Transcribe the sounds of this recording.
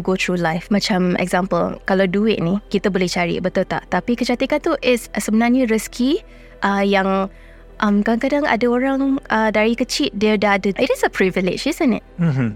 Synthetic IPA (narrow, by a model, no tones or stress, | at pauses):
ɡot̪ʰɹulajfmãt͡ʃamɛ̰ɡzampə̰lkalawduɪʔ̚nikit̪əbolɛht͡ʃaɹḭbət̪ult̪a̰ʔt̪apikəd͡ʒat̪ikant̪uʔɪtssəbənarɲəɹəskʰi | ʔajaŋ | ʔamkadaŋkadaŋa̰daoɾaŋʔədaɹikət͡ʃit̪̚diədadəɪtɪsəpʰɹivilɪ̰d͡ʒizə̃nɪ̰t̩̚m̩